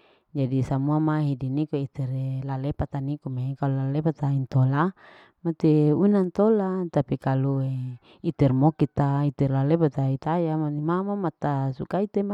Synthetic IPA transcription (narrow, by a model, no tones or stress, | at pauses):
d͡ʒadisamuamaɦidinikoit̪ɛɾelalepat̪anikomakalulalepat̪aint̪ola | mat̪eunant̪olat̪apikalue | it̪ɛrmokit̪ait̪ɛrlalepat̪ait̪ajamaimamamat̪asukait̪ema